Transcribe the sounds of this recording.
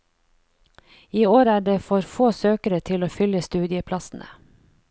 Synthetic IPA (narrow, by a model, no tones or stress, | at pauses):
iːoːɾæːɖeːfɔɾfoːsøːkəɾət̪ʰɪloːfʏləst̪ʉːd̪ɪəpʰlɑsn̩ʔə̰